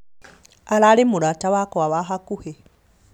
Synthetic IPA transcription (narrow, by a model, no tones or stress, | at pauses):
alalemuɾataβakoaβaxakuhe